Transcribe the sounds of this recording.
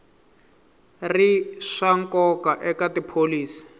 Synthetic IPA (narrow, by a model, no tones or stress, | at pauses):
riʂaŋkɔkaʔɛkatipʰoliːsi̥